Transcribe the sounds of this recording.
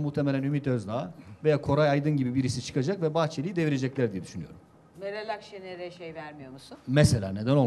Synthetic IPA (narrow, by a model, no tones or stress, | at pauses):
muht̪ʰemelʲænymit̪øzd̪aːve̞jaːkʰo̞ɾajajd̪ɯnɟibibiɾisit͡ʃʰɯ̥kʰad͡ʒakvɛbaxt͡ʃʰelʲiid̪e̞viɾe̞d͡ʒɛclʲæɾd̪ijɛd̪yʃynyjo̞̰ɾum | neɾelʲakʃeneɾɛʃejvæɾmijo̞musumɛselʲa̰ːne̞d̪æno